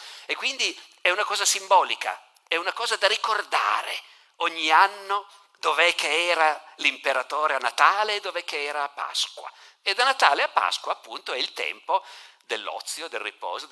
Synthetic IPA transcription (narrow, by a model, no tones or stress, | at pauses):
ekːwind̪iɛunakɔːzasimbɔːlika̰ | ɛunakɔːzad̪aɾikord̪a̰ːɾḛ | oɲːianːo | d̪ovɛkʰːeɛːɾalimpeɾat̪oːɾeanːat̪aːleːd̪ːovɛkːeɛːɾaːpːa̰skwa̰ | ed̪anːat̪a̰ːleapːa̰skwaːpːunt̪oɛilt̪ɛ̰mpod̪elːɔ̰t̪sːjod̪elrːḭpɔ̰ːzo